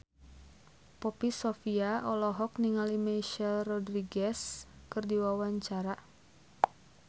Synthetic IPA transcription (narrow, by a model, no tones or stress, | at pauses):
pɔpisɔfiaɔlɔɦɔk̚niŋalimajʃɛlrɔdɾiɡɛskɨrdiwawaɲt͡ʃaɾa